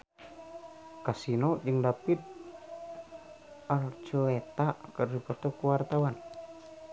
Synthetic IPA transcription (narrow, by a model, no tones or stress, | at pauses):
kasinod͡ʒɨŋdapit̪̚ | alt͡ʃoet̪akəddipɔrt̪ɔkuwart̪awan